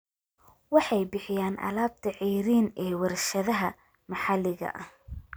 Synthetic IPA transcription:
wɑħɑjbɪħɪjaːnʔɐ̰laːb̚t̪ʰɐʕijɾiːnɛːwɑɾʃɐðɐɦɐ | mɑħɑlɪɣɐ̰ʔɐh

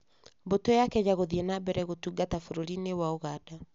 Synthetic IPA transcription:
bɔtɔjakɛɲaɣoðiɛnabɛɾɛɣotuɡatafoɾoɾinewaoɣada

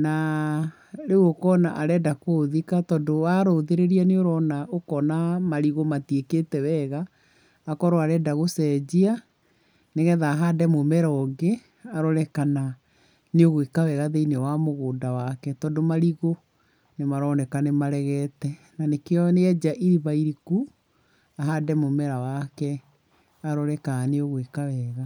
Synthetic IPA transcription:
na | ɾewokɔnaʔaɾɛdakoːðikatɔdowaɾoðeɾeɾianeoɾɔnaʔokɔnamaɾiɣomatieketɛwɛɣaː | kɔɾoaɾɛdaɣosɛd͡ʑia | neɣɛðaɦadɛmomɛɾɔːɡe | aɾoɾɛkana | neoɣwekawɛɣaðeinewamoɣoːndawakɛtɔːdomaɾiɣo | nemaɾɔːnɛkanemaɾɛɣɛtɛ | nanekeɔneɛd͡ʑaʔiɾiβaiɾiku | aɦadɛmomɛɾawakɛ | aɾɔɾɛkaneoɣwekawɛːɣa

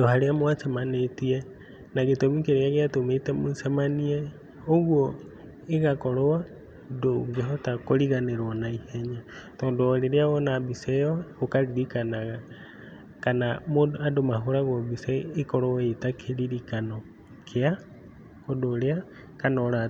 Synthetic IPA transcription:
dohaɾeamwasemanetie | naɣetomikeɾeaɣeatometemosemanie | oɣwo | eɣakoɾowa | doŋɡeɦotakoɾiɣaneɾwɔnaiheɲatɔːndoːɾeɾeaɣonabisewaokaɾiɾikanaɣa | kanamoadomaɦoɾaɣoβiseekɔɾoaetakʰeɾiɾikano | kʰea | kodoɾea | kanɔoɾa

